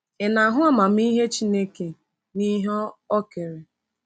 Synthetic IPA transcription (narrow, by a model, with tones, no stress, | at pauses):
e˨na˨ɦʊ˦a˦ma˨m̩˦i˦ɦe˦t͡ʃi˦ne˦ke˨ | ni˦ɦɔ˦ɔ˦ke˨ɾe˨